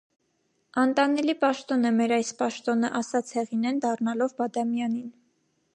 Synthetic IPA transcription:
ɑnt̪ɑnɛlipɑʃt̪ɔnəmɛɾɑjspɑʃt̪ɔnəʔɑsɑt͡sʰhɛʁinɛnd̪ɑrnɑlɔvbɑd̪ɑmjɑnin

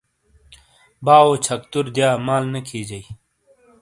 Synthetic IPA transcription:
baːoːt͡ɕʰɐk̚t̪uɾd̪jaːmaːlnɐkʰiːd͡ʑɐi

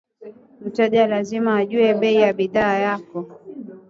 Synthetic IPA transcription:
m̩tɛʄalazimaːʄuɛɓɛijaɓiðaːjakɔ

